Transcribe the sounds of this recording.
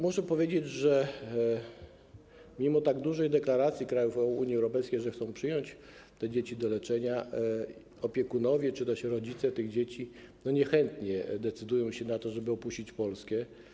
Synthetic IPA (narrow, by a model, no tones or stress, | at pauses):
muʂɛpɔvʲjed͡ʑed͡ʑʐɛ | mʲimɔt̪aɡd̪uʐɛjd̪ɛklaɾat̪sʲjikɾajufɔuɲjiɛwɾɔpɛjskʲejʐɛxt̪ɔ̃w̃pʂɘjɔɲt͡ɕt̪ɛd͡ʑet͡ɕid̪ɔlɛt͡ʂɛɲa | ɔpʲjɛkunɔvʲjɛt͡ʂɨt̪ɛɕɾɔd͡ʑit̪sɛt̪ɘɣd͡ʑet͡ɕi | nɔɲɛxɛnt̪ɲɛd̪ɛt̪sɘd̪ujɔ̃w̃ɕɛnat̪ɔʐɛbɘɔpuɕt͡ɕit͡ɕpɔlskʲɛ